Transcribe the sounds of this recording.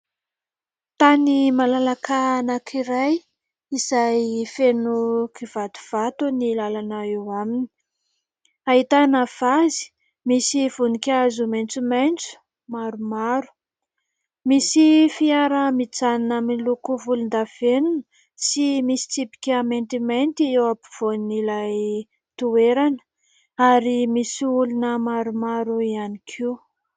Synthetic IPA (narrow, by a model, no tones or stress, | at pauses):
t̪animalalakanakʰiɾaj | izajfenukivad̪u̥v̥at̪unilalanaewamini̥i̥ | aɦit̪anav̥azi̥ | misiv̥unikʲazumajnt͡sumajnt͡su̥ | maɾumaɾu̥ | misifiaɾəmit͡saninaminilukuvulund̪av̥enunə | simisi̥t͡sipi̥kʲament̪iment̪iewapi̥v̥onilaj | t̪ueɾanə̥ | aɾimisiulunəmaɾumaɾuianikʰiw